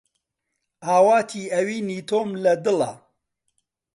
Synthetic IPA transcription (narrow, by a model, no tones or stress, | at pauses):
ʔaːwaːt̪ʰiːɐwiːniːt̪ʰoːmlɐd̪ɨlɐ̰